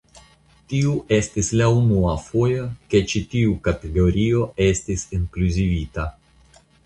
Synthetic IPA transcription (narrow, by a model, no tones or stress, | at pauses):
tiuʔe̞stislaunuafo̞jake̞t͡ʃitiukate̞ɡo̞ɾio̞e̞stisiŋkluzivita